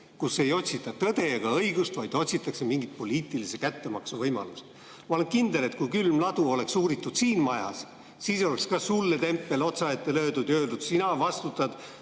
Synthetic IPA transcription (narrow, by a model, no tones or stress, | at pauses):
kusːe̞jo̞t̪ʲsit̪ːˑɑt̪ɤd̪̥e̞eɡ̥ɑɤjɡ̥ust̪vɑjd̪̥o̞t̪ʲsit̪ːˑɑkse̞miŋɡit̪̚po̞liːt̪ˑilisekæt̪ːe̞mɑksuvɤjmɑ̰lus | mɑo̞le̞nkind̪e̞le̞t̪kujkylmlɑd̪̥uo̞le̞ksuːɾit̪ːˑud̪̥siːnmɑjɑ̰s | siːso̞lekskɑsulːet̪e̞mpːe̞lo̞t̪sɑet̪ːe̞lø̞ːd̪ud̪̥jø̞ːld̪ud̪̥sinɑvɑst̪ut̪ːˑɑd̪̥